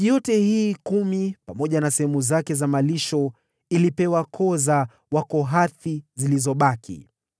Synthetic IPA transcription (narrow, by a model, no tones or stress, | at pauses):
jɔtɛhiːkumipamɔʄanasɛɦɛmuzakɛzamaliʃɔ | ilipɛwakʰɔza | wakɔɦaθizilizɔɓakʰḭ